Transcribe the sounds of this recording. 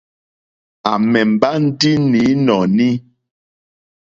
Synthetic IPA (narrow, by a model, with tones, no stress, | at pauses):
a˨mɛ˨m̩˨ba˦n̩˦di˦ni˨˦nɔ˨ni˦